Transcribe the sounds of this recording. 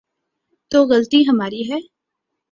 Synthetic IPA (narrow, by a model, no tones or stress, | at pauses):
t̪oːɣɐlt̪iɦɐmaːɾiɦɛː